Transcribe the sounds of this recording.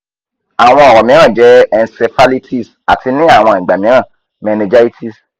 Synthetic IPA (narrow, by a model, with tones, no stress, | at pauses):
a˨w̃ɔ̃˧ɔ˨ɾɔ˨mĩ˨˦ɾ̃ã˦˨d͡ʒɛ˨˦ɛ˧nse˧fa˦li˦tʰi˦˨s | a˨tʰi˧nĩ˦a˦˨w̃ɔ̃˧i˨ɡ͡ba˨mĩ˨˦ɾã˦˨ | mɛ˨˧nẽ˧d͡ʒa˦i˦tʰi˦˨s